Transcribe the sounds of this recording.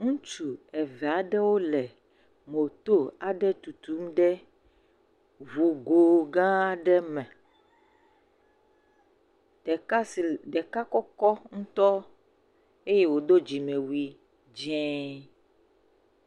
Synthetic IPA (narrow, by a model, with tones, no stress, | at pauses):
ŋũ˦t͡ʃu˨ɛ˨vɛ˨a˨ɖɛ˦wo˦lɛ˨ | mo˨t̪o˦a˨ɖɛ˦t̪u˨t̪u˨˦m˦ɖɛ˦ | vu˨ɡo˨ɡã˦ɖɛ˦mɛ̃˨ | ɛ˨˦˨ɖɛ˨ka˦kɔ˦kɔ˦ŋũ˦t̪ɔ˦ | e˦je˦wo˨d̪o˦d͡ʒi˨mẽ˨wi˨ | d͡ʒɛ̃˦